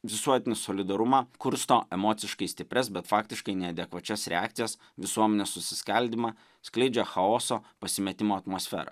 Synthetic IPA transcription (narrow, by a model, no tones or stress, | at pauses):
ʋʲɪsuɔt̪ʲɪnʲɪsoːlʲɪd̪ɐɾʊmɑkʊɾst̪oːɛmoːt̪sʲɪʃkɐɪsʲt̪ʲɪpʲɾʲɛsbʲɛt̪fɑːkt̪ʲɪʃkɐɪnʲɛɐd̪ʲɛkʋɐt͡ʃʲɛsɾʲɛ̰a̰ːkt̪sʲɪjɛs | ʋʲɪsuɔmʲɛnʲeːssʊsʲɪskɐlʲd̪ʲimɑ | sklʲɛɪd͡ʒʲɛxɐoːsoːpɐsʲɪmʲɛt̪ʲɪmoːɐt̪moːsʲfʲɛ̰ːɾɐ̰